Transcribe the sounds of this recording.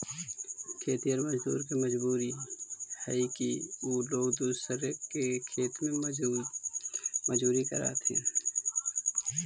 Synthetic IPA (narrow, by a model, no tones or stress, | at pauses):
kʰeːt̪iəɾməd͡ʒd̪ṵːɾkiməd͡ʒbuːɾihɛikioːloːɡd̪uːsəɾəkekʰeːt̪mẽ | məd͡ʒbuːɾikəɾa̰ːt̪ʰɛ̰̃ː